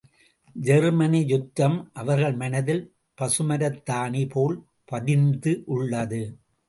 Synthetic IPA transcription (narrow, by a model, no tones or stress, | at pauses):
d͡ʒɛɾmɐnijʊt̪ːɐmʔɐʋɐɾɣɐɭmɐnɐðɪl | pɐsɯmɐɾɐt̪ːaːnipʰoːɭ | pɐðɪnd̪ɯʔʊɭːɐðɯ